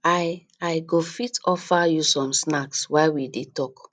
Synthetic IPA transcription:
aɪ | aɪɡofitʰɔfajusɔ̃msnakswaɪwidetɔk

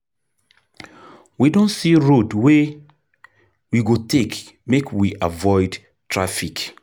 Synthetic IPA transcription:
widõntsiɹodwe | wiɡotʰek | mekʰwiʔavɔɪd | tʰɹafik

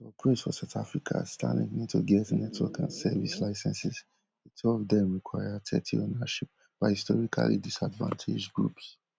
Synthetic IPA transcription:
sɔpʰɹesfɔsaʊtafɹikʰastʰãnḭ̃ŋnidtʰoɡɛtnɛtʰwɔkãnsɛvislaɪsɛ̃nsiz | itʰuɔvdɛ̃mɹikʰwaɪatʰɛtʰionaʃip̚ | b̥aɪhistɔɹikʰa̰lḭdisadvã̰ntʰed͡ʒɡɹups

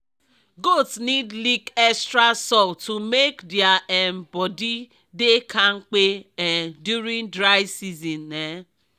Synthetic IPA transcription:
ɡotsnidlikɛkstɾasɔltumekdjaʔɛmbɔdi | dekʰaŋ͡m̩k͡peɛdjuɾĩŋdɾaɪsizĩnːe

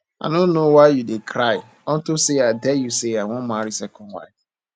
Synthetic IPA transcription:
a̰ɪnõnnːowaɪjudekʰɾaɪ | ɔ̃ntɪseadɛjuseaɪwɔ̃maɾisɛkʰɔ̃nwa̰ɪf

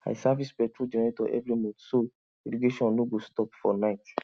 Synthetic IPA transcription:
a̰isavispɛtɾud͡ʒɛnɛɾetɔʔɛ̰vɾimõso | eleɡeʃɔ̃nnoɡostɔpfɔnaɪt

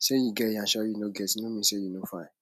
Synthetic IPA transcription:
ʃejĩɡɛjãʃɔjinoɡɛtĩnõmĩsejinõfã

